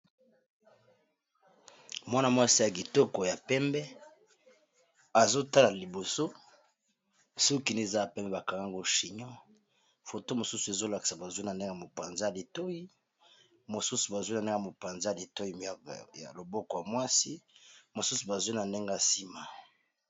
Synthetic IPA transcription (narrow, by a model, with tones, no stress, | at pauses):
mwa˦na˦˨mwa˦si˦ja˨ɡi˨tɔ˦ko˨ja˨pɛ˦mbɛ˦ | a˨zo˦ta˦la˨li˨bo˨so˦ | so˦ki˨n˦e˨za˦ja˨pɛ˦mbɛ˦ba˨ka˨ŋɡa˦ŋɡo˦ʃi˨ɲɔ˦ | fo˨to˦mo˨su˦su˨e˨zo˦la˨ki̥˨sa˨ba˨zwi˦na˨nde˦ŋɡa˨mo˨pa˨nza˦ja˨li˨to˦ji˦ | mo˨su˦su˨ba˨zu˦i˦na˨ne˦ɡmo˨pa˨nza˦ja˨li˨to˦ji˦˨ja̰˨lo˨bɔ˦kɔ˨ja˨mwa˦si˦mo˨su˦su˨ba˨zi˦na˨nde˦ŋɡa˦˨si˦ma˨